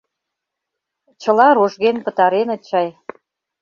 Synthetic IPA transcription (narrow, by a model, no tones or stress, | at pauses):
t͡ɕə̆lɑɾoʒɣenpə̆t̪ɑɾenə̆t͡ɕɑj